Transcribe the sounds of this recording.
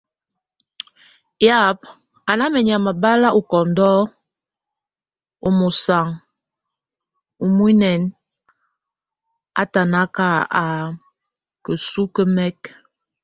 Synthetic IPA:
ja˦˨p̚ | a˨na˦mɛ˨ɲa˨ma˨ba˦la˦ʔu˨kɔ˨n˦dɔ˦ | o˦mo˨sa˨ŋ | u˨mu˦i˦nɛ˨n | a̰˨ta˨na˦ka˦a˨ | kə˨su˦kə˦mɛ˦k

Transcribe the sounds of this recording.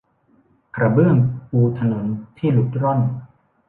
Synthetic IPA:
kʰɾa˧bɯ˥˩əŋʔuː˧t̪ʰa˧no˩˦nt̪ʰiː˥˩lu˨˦˩t̪̚ɾo˥˩n

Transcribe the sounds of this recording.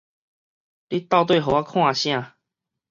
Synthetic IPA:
li˦t̪a˥˧ʊt̪̬we˥˨ɦo˨˩a˦kʰw̃ã˥˧ɕj̃ã˥˧˨

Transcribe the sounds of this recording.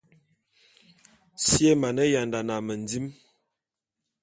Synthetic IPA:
sje˦ma˨nə˦ja˨nda˨na˨mə˨nd͡zi˦m

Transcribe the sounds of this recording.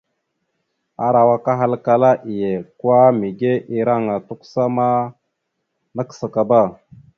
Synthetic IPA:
a˨ɾa˨wa˦ka˦ɦa˦lka˨la˦ʔi˨je˨kwa˦mi˨ɡe˦ʔi˦ɾa˦ŋa˨tu˦ksa˦ma˦ | na˦ksa˨ka˨ba˦˨

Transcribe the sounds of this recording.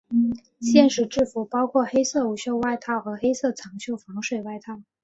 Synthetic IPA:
ɕjɛ˥˩nʂɻ̩˨˩ʈ͡ʂɻ̩˥˩fu˧˥pɑ˥ʊkʰwɔ˥˩xe˥ɪsɤ˥˩u˧˩ɕjo˥˧ʊwa˥˧ɪt̪ʰɑ˥˩ʊxɤ˧˥xe˥ɪsɤ˥˩t͡sʰɑ˧˥ŋɕjo˥˩ʊfɑ˧˥ŋʂwe˨˩ɪwa˥˧ɪt̪ʰɑ˥˩ʊ

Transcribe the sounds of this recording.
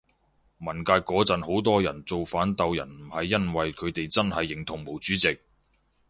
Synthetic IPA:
mɐ˨˩nkaː˧t̚kɔː˨˥t͡sɐ˨nho˨˥wt̪ɔː˥jɐ˨˩nt͡so˨wfaː˨˥nt̪ɐ˨wjɐ̰˨˩nm̩˨˩hɐ˨jːɐ˥nwɐ˨jkʰɵ˨˧t̪e˨jt͡sɐ˥nhɐ˨jːɪ˨ŋt̪ʰʊ˨˩ŋmo˨˩wt͡syː˨˥t͡sɪ˨k̚

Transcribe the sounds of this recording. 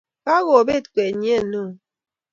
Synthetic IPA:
ka˦ɣo˨be˦˨tkʷe˨ɲ˦e˦˨no˦˨

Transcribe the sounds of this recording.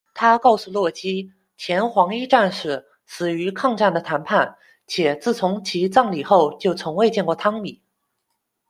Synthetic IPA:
t̪ʰa˥kɑ˥˩ʊsu˥˧lwɔ˥˩t͡ɕi˥ | t͡ɕʰjɛ˧˥nxwɑ˧˥ŋi˥ʈ͡ʂa˥˧nʂɻ̩˥˩ | t͡sʰɹ̩˨˩y˧˥kʰɑ˥˧ŋʈ͡ʂa˥˩nd̪ə˩t̪ʰa˧˥npʰa˥˩n | t͡ɕʰjɛ˨˩t͡sɹ̩˥˩t͡sʰʊ˧˥ŋt͡ɕʰi˧˥t͡sɑ˥˩ŋli˨˩xo˥˩ʊt͡ɕjo˥˩ʊt͡sʰʊ˧˥ŋwe˥˧ɪt͡ɕjɛ˥˧nkwɔ˥˩t̪ʰɑ˥ŋmi˨˩˦

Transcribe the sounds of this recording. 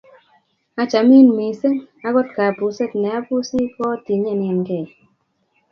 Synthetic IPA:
a˦t͡ʃa˨mi˦nmi˨se˦ŋa˦ɡɔ˦t̚ka˨pu˨se˦tnɛ˨a˦pu˦si˦kɔ˦ti˨ɲɛ˦˨njɛ˨nkɛ˦˨

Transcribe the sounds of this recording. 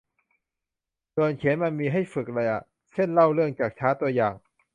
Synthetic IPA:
so˧ənkʰi˨˩˦nma˧nmiː˧ɦa˥˩jfɯ˨˩k̚ɾa˧jʔa̰˨˩ | sʰe˥˩nla˥˩wlɯ˥˩əŋt͡ɕaː˨˩k̚t͡ɕʰaː˦˥t̪u˧ɐjaː˨˩ŋ

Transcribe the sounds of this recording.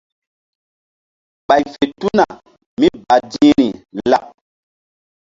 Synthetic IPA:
ɓa˨jfe˨tu˦na˨ | mi˦ba˨dĩ˦ɾi˨la˨p̚

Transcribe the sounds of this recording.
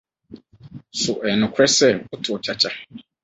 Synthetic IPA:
sʊ˨ʔɛ˨nʊ̃˨kʷʰɾɛ˦sɛ˦wʊ˦tʰʊ˨t͡ɕʰa˨t͡ɕʰa˦

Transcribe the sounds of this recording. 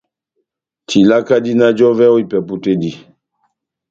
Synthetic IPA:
tʰi˨la˦ka˦di˦na˦d͡ʒɔ˦vɛ˦o˦i˨pɛ˨pu˦te˦di˨

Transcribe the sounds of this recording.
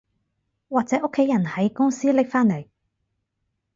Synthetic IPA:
waː˨k̚t͡sɛː˨˥ʔʊ˥kʰːe˨˥jɐ˨˩nhɐ˨˥jkʊ˥ŋsiː˥lɪ˥k̚faː˥nle˨˩j

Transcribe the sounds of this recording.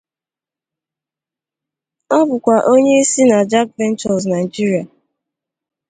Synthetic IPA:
ɔ˦bʊ˨kʷa˨ʔo˦ɲe˦i˦si˦na˨d͡ʒa˦k̚vɛ˦n̩˦t͡ʃɔ˨s̬na˨i˨d͡ʒi˦ɾi˨a˨

